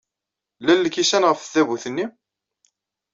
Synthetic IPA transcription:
lælːəkːisænʁəfθævuθənːim

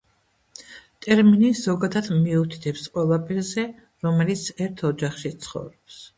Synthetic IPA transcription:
t̪ʼɛɾminiz̥ɔɡad̪ad̪miut̪ʰi̥t̪ʰɛpsqʼwɛlˠapʰʼɛɾzɛ | ɾɔmɛlit̪sʰɛɾt̪ʰɔd͡ʒaχʃit̪sʰχɔ̰vɾɔps

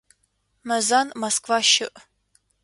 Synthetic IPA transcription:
mɐzanmɐskvaʃɪʔ

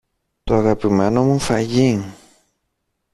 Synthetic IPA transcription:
t̪oaɣapimeno̞mufaʝiŋ

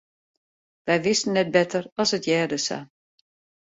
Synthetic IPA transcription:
ʋɛjʋɪstən̩ːɛt̚bɛtʰərɔsətjɛːdəsa̰

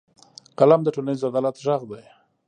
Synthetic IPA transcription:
qalamd̪əʈolanizad̪alat̪ʒaɣd̪aj

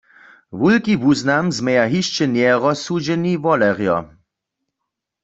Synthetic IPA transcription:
ʋulkivuznamzmɛjaɦiʃt͡ʃɛnjɛʁɔsud͡ʒɛnivɔlɛʁjɔ̰

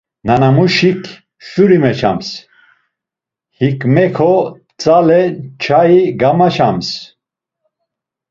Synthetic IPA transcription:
nanamuʃikʰ | ʃuɾimɛt͡ʃʰa̰ms | hikmɛkʰɔ | t͡sʼalɛt͡ʃʰaiɡamaʃams

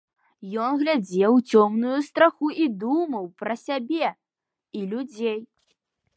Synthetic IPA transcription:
jɔnɣlʲad͡zʲɛwt͡sʲɔmnujust̪ɾaxuʔid̪umɐwpɾɐsʲabʲɛ | ilʲud͡zʲej

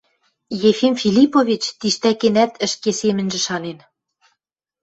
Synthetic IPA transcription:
jefimfʲilʲipovʲit͡ɕt̪iʃt̪ækenæt̪ʰə̆ʃkesemɘ̆nʒɘ̆ʃɑnen

